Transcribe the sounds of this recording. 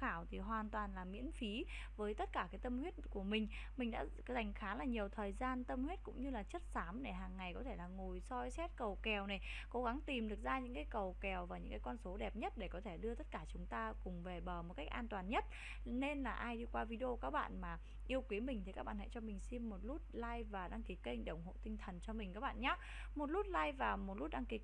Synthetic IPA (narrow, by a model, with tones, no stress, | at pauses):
xaː˧˩wt̪ʰi˨˩ɦwaː˨˩nt̪waː˨˩nlaː˨˩mḭ˧˥ənfi˨˦ | vəː˨˦jt̪ə˦˥t̚kaː˧˩kaː˨˦jt̪ə˧mhwi˦˥ət̚ku˧˩əmï˨˩ŋ̟ | mï̟˨˩ɗa̰ː˧˥ | za˨˩jŋ̟xaː˨˦laː˨˩ɲi˨˩əwt̪ʰəː˨˩jzaː˧nt̪ə˧mhwe˦˥t̚kʊ̰˧˥ŋ͡mɲɨ˧laː˨˩t͡ɕə˦˥t̚saː˨˦mɗe˧˩ɦaː˨˩ŋːa˨˩jkɔ˨˦t̪ʰe˧˩laː˨˩ŋo˨˩jsɔ˧jsɛ˦˥t̚kə˨˩wkɛ˨˩wna˨˩jko˨˦ɣa˨˦ŋt̪i˨˩mɗɨ˨˩ək̚zaː˧ɲɨ̰˧˥ŋkaː˨˦jkə˨˩wkɛ˨˩wvaː˨˩ɲɨ̰˧˥ŋkaː˨˦kɔ˧nso˨˦ɗɛ˨˩p̚ɲə˦˥t̚ɗe˧˩kɔ˨˦t̪ʰe˧˩ɗɨ˧ət̪ə˦˥t̚kaː˧˩t͡ɕʊ˨˦ŋ͡mt̪aː˧kʊ˨˩ŋ͡mve˨˩ɓəː˧˩mo˨˩t̚ka˦˥jk̚ʔaː˧nt̪waː˨˩nɲə˦˥t̚ | ne˧nlaː˨˩ʔaː˧jɗi˧kwaː˧vi˧ɗʔo˧kaː˦˥k̚ɓa̰ː˧˨nmaː˨˩ | ʔi˧əwkwi˨˦əmï˨˩ŋ̟t̪ʰi˨˩kaː˦˥ɓa̰ː˧˨nhɛ̰˧˨t͡ɕɔ˧mï˨˩ŋ̟si˧mːo˨˩t̚lu˦˥t̚laː˧jvaː˨˩ɗaː˧ŋki˨˦kə˧ŋ̟ɗə˧˩wŋ͡mɦo̰˧˨t̪ï˧ŋt̪ʰə˨˩nt͡ɕɔ˧mi˨˩ŋ̟kaː˦˥k̚ɓa̰ː˧˨nɲaː˨˦˥ | mo˨˩t̚lu˦˥t̚laː˧jvaː˨˩mo˨˩t̚lu˦˥t̚ɗa˧ŋki˨˦